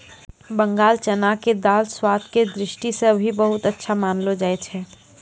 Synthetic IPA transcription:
bə̃ŋɡaːlt͡ʃənaked̪aːlswaːt̪ʰked̪ɾɪʃʈiseɐbʱibəɦʊt̪ətːʃʰamaːnlod͡ʒaːɛt͡ʃʰɛː

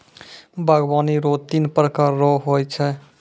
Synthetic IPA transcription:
bʱaɡbaniɾot̪inpɾəkaɾːɔɦojt͡ʃʰɛ

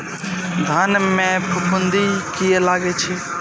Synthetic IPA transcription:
d̪ʱaːnmẽpʊpʊ̃nd̪ikijelaːɡet͡ʃʰeː

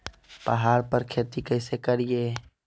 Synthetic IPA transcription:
pɐ̰ɦaːɾpəɾkʰeːt̪ikɐɪsekɐɾijeː

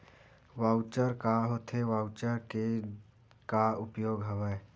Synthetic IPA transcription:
ʋaʊt͡ʃəɾkaɦot̪ʰeʋaʊt͡ʃəɾke | kaʊpjoːɡɦəʋəː

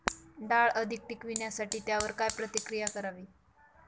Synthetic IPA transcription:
ɖaɭəd̪ʱik̚ʈikʋinjasaʈiːt̪jaʋəɾkajpɾət̪ikɾijakəɾaʋiː

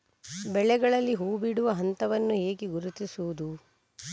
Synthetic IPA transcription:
bɛɭɛɡɐɭɐlːiɦuːbiɽuʋɐɦɐnt̪ɐʋɐnːuɦeːɡiɡuɾut̪isuud̪u

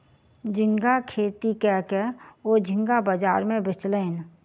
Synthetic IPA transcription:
d͡ʒɪ̃ŋɡakʰeːt̪ikɛːkɛod͡ʒʱɪ̃ŋɡabəd͡ʒaːɾmẽbɪt͡ʃləːn

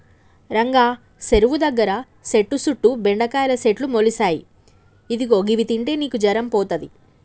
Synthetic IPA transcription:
ɾɐŋɡaː | seɾuʋud̪ɐɡːɐɾɐ | se̞ʈːusuʈːubeɳɖɐkaːjɐlɐseʈlumolisaːjḭ | id̪iɡoːɡiʋit̪iɳʈe̞ːniːkud͡ʒɐɾɐmpɔːt̪ɐd̪i

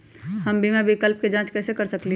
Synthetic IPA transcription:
həmbʱimẽbʱɪkəlp̚ked͡ʒãːt͡ʃkɛːsekəɾsəkli

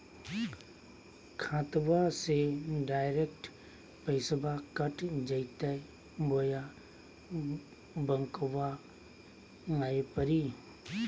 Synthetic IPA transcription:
kʰãːt̪ʋaseɖaːɪɾekʈ | pəɪsəbʱakəʈd͡ʒəɪt̪ɛ | boːja | bəŋkʋa | aːepəɾiː

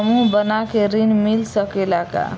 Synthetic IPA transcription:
mubənakeɾinmilsʌkelaka̰

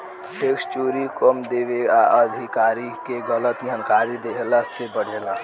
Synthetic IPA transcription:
pekst͡ʃuɾikɔmd̪eʋeaʔəd̪ʱikaɾikeɡələt̪ɡʱənkaɾid̪eɦelasebəɽ̤ela

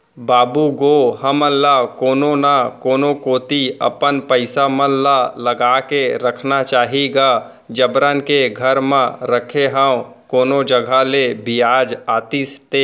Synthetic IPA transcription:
baːbuɡoɦəməllakoːnonakoːnokoːt̪iə̰pənpəɪsamənlaləɡaːkeɾəkʰnat͡ʃaːɦiɡaː | d͡ʒəbɾankeɡʱəɾmə̃ɾəkʰeɦəwkoːnod͡ʒəɡʱalebijaːd͡ʒaːt̪ist̪eː

